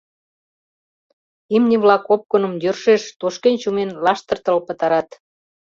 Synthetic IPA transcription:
imnʲiβlɑkop̚konə̆mjørʃeʃt̪oʃkent͡ɕumenlɑʃt̪ə̆rt̪əlpə̆t̪ɑɾɑt̪

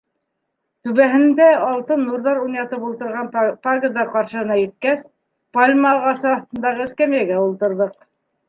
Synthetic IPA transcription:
t̪ʉβæɦɘ̆nd̪æɑlˠt̪ɤnːuɾðɑɾunjɑt̪ɤpulˠt̪ɤ̆ɾʁɑnparɡəd̪ɑqɑɾʃɤ̆hɤ̆nɑjɘ̆t̪̚kæs | palʲmɑːʁɑsɤɑθt̪ɤ̆nd̪ɑʁɤɘ̆skæmjæɡæulˠt̪ɤ̆ɾðɤq̚

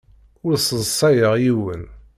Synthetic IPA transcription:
ʊɾsˤəzˤsˤɑjəʁjiwən

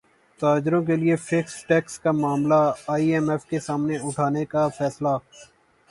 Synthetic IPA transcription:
t̪aːd͡ʒɾõk̬eliefɪksʈɛːkskamaːmlaaːiɛmɛfkesaːmneʊʈʰaːnekafɛːsla

